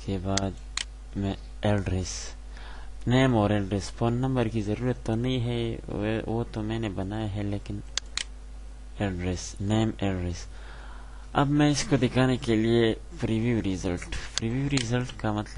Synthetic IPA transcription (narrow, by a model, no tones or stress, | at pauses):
kebaːd̪ | mẽ | elɖɾes | neːmɔːɾelɖɾesponːɐ̃mbəɾkizɐɾuːɾət̪ːonɐĩɦɛ | wo̰t̪omẽːnebɐnaːjeɦɛleːkɪn | elɖɾesneːmelɖɾes | ɐ̰bmẽɪskod̪ɪkaːnekelie | pɾiʋiuɾizɐlʈpɾiʋjuːɾizɐlʈkamɐt̪ləb